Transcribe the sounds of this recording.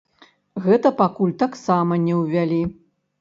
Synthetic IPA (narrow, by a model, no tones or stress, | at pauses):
ɣɛt̪ɐpakulʲt̪aksamɐnʲɛwvʲalʲi